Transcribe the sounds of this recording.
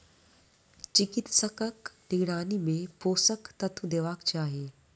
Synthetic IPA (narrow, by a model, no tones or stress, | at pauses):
t͡ʃɪkɪt̪səkəknɪɡɽ̃aːnimẽpoːsəkt̪ɐt̪ʰud̪eʋaːkt͡ɕaːɦeː